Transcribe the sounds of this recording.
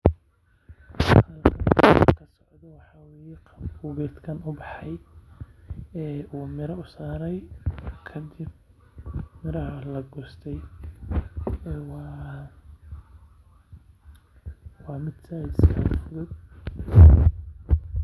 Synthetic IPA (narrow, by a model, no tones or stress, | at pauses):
ɐlkʰɐnkʰɐsɔʕd̪ɔwɑħɑwɛːjɛqʰʊɣɛːt̪kʰɐnʊbɑħɑj | ɛːuːmɪɾɐʊsaːɾɛjkʰɐd̪ɪb̚ | mɪɾɐɦɐlɐɡɔːst̪ʰɛj | ɛːwɑː | wɑːmɪd̪sajd̪skʰa̰d̪fʊlʊd̪